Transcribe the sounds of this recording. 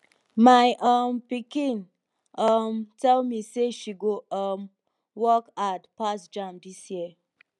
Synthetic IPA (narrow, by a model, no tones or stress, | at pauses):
majʔampikĩn | amtʰɛlmiseʃiɡoʔɔm | wɔkatpasd͡ʒãmdisjiə